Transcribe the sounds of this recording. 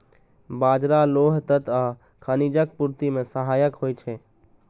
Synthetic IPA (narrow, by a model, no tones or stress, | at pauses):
baːd͡ʒɾaloːɦt̪ət̪a | kʰənid͡ʒək̚puɾt̪imẽsəɦaːjəkɦojt͡ʃʰɛ